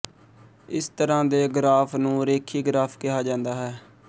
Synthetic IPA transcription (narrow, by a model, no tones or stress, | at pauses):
ɪst̪əɾãːd̪eːɡɾaːfʰnũːɾeːkʰiːɡɾaːfʰkɪɦaːd͡ʒãːnd̪aːɦɛː